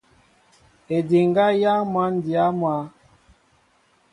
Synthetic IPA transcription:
e˨di˨ŋɡa˦ja˦mwa˦n˦di˨a˦mwa˦

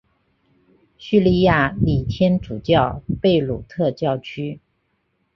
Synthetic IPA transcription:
ɕy˥˧li˥˧ja˥˩li˨˩t̪ʰjɛ˥nʈ͡ʂu˨˩t͡ɕjɑ˥˩˧ʊpe˥˩ɪlu˨˩t̪ʰɤ˥˧t͡ɕjɑ˥˩ʊt͡ɕʰy˥

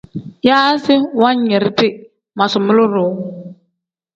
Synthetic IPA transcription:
ja˦sɪ˦wa˦ɲɛ˨ɾtɪ˦ | ma˨sʊ˨mɪ˦lʊ˦ɾʊ˨˦

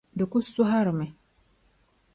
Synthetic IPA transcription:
d̪ə˨ku˦su˦ɦa˦ɾme˨

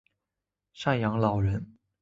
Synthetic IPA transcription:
ʂa˥˩njɑ˧˥ŋlɑ˨˩ʊɻə˧˥n

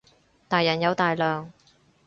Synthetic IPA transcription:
t̪aː˨˩jːɐ˨˩njɐ˨˧wt̪aː˨jlœː˨ŋ

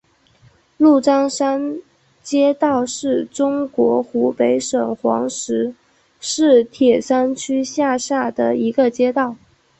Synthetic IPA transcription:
lu˥˩ʈ͡ʂɑ˥ŋʂa˥n | t͡ɕjɛ˥t̪ɑ˥˧ʊʂɻ̩˥˩ʈ͡ʂʊ˥ŋkwɔ˧˥xu˧˥pe˧˥ɪʂɤ˨˩ŋxwɑ̰˧˥ŋʂɻ̩˧˥ | ʂɻ̩˥˩t̪ʰjɛ˨˩ʂa˥nt͡ɕʰy˥ɕja˥˧ʂa˥˩d̪ə˩i˧˥ɡə˧t͡ɕjɛ˥t̪ɑ˥˩ʊ

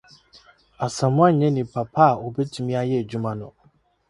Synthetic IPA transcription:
a˨sã˨mʊ̃˦a˦˨ɲɛ̃˦nĩ˨pʰa˨pʰa˦˨o˨bɛ˦tʰũ˦mĩ˦a˦jɛ˦e˨d͡ʑu˦mã˨nʊ̰̃˨

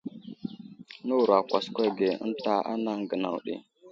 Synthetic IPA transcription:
nu˦wɾa˨kʷa˨skʷe˦ɡe˨ə̰˦nta˦a̰˦na˦ŋɡə˨na̰˨wɗḭ˨

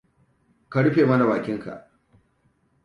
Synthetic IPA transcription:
ka˦ɽɸeː˨mɐ˦na˨baː˨kʲɪ˦ŋka̰˨ʔ

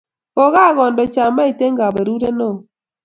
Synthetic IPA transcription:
o˨ɣa˦˨ɣɔ˨ndɔ˨t͡ʃa˨ma˦i˨te˦ŋɡa˨be˨ɾu˦ɾe˦nɔ˦˨

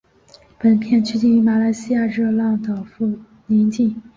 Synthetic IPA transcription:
pə˨˩npʰjɛ˥˧nt͡ɕʰy˥˧t͡ɕi˥˩y˧˥˩ma˨˩la˧˥ɪɕi˥ja˥˧ʈ͡ʂɤ˥˧lɑ˥˩ŋd̪ə˨˩fu˥˩ | ni˧˥nt͡ɕi˥˩ŋ

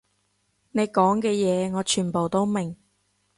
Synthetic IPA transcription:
ne˨˧jkɔː˨˥ŋkɛː˧jɛː˨˧ŋɔː˨˧t͡ʃʰyː˨˩npo˨wt̪o˥wme˨˩ŋ

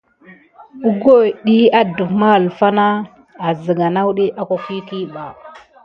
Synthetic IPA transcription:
u˦ɡo˦jɗi˦a˦du˨kma˦˨lfa˦na˦ | a˨zə˨ɡa˨na˦wu˦ɗi˦ʔa˦ka˨kʷi˦ki˦ɓa˨

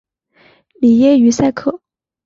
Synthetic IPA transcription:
li˨˩jɛ˥y˧˥sa˥˧ɪkʰɤ˥˩

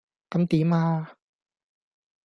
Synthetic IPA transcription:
ka˧˦mt̪iː˨˩˦maː˧

